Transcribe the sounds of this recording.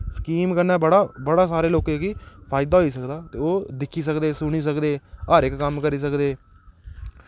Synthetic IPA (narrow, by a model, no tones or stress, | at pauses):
sə̥kiːmkəɾnaːbəɽaːbəɽaːsaːɾeːloːkẽːkiːpʰaːɪd̪aːɦoiːsəkd̪aːt̪eːoːd̪ɪkʰːiːs̬əkd̪eːsʊɽ̃iːs̬əkd̪eːəɾɪkːəmkəɾiːs̬əkd̪eː